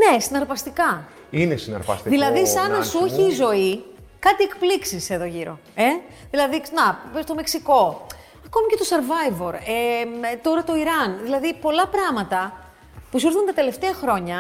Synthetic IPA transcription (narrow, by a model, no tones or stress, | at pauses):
ne̞sinɐɾpɐst̪ikɐ | inesinɐ̰ɾpɐ̰st̪ðilɐðisɐnɐsuçiːzo̞i | kɐt̪iekpliksise̞ðo̞ʝiɾo̞̰ | e | ðilɐðinɐst̪o̞me̞ksiko̞ | ɐko̞micet̪o̞sɐɾvɐjvo̞ɾet̪o̞ɾɐt̪o̞iɾɐnðilɐðipo̞lɐpɾɐmɐt̪ɐ | pusiɾθunt̪ɐt̪e̞le̞ft̪e̞ɐxɾo̞ɲɐ